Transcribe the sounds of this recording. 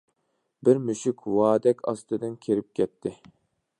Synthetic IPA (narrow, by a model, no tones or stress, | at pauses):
bɪɾmyʃykʰʲwɑːd̪ɛkʲʰɑ̰st̪ɨd̪ɨnkʲʰeɾɪp̚kʲʰɛp̚t̪ʰːɪ